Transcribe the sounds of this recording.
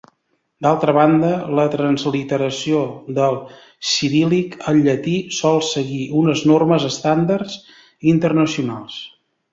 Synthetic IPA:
d̪alˠt̪ɾəβ̞and̪ələt̪ɾənzlit̪əɾəsioðəlˠ | siɾilikəlːət̪isɔlˠsəɣiʔunəznorməzəst̪and̪ərz | int̪ərnəsiunalˠs

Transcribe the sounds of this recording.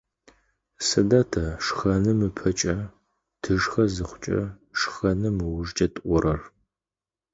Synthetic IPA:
sɨdɐtʰɐʂχɐnɨmɨpʰɐt͡ʃʼɐ | tʰɨʒxɐzɨχʷʊt͡ʃʼɐ̰ | ʂxɐnɨmɨwʊʒt͡ʃʼɐtʼʔʷʊrɐr

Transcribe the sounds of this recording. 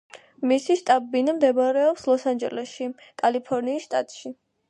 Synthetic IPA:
misiʃt̪ʼabinamd̪ɛbaɾɛɔpslˠɔsand͡ʒɛlɛsʃikʼalipʰɔɾniːsʃt̪ʼa̰t̪ʼʃi

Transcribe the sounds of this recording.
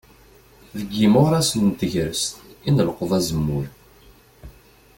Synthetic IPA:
ðəɡːimoʁɾæsənt̪əʝɾəst̪inələqəðˤæzəmːʊɾ

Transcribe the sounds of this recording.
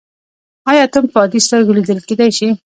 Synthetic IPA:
ɑjɑt̪əmpɑd̪ist̪əɾɡlid̪əlked̪ajʃi

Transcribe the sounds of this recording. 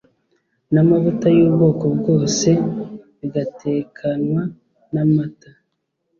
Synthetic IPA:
namaβutajuːbɡo̞ːko̞bɡo̞ːse̞ | iɡatʰeːkʰanwa | namata

